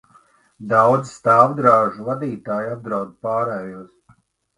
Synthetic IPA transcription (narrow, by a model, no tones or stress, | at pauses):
d̪awd̪zst̪aːwd̪ɾaːʒuvad̪iːt̪aːjab̚d̪ɾawd̪paːɾaːjuɔs